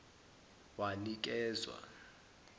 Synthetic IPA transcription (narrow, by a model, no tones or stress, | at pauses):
wanik̬ɛːzwa̰